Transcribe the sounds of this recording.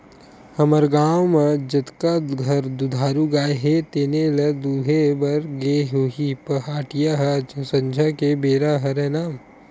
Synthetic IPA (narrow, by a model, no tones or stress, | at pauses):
hɐməɾɡaːwmɐd͡ʒɐt̪kaɡʱɐɾd̪ud̪ʱaːɾuɡaːjɦet̪eːnelɐd̪uːɦebɐɾɡeɦoːɦipɐɦaːʈijaɦɐt͡ʃɐsɐ̃ɲd͡ʒʱakebeːɾaɦɐɾɛnaːm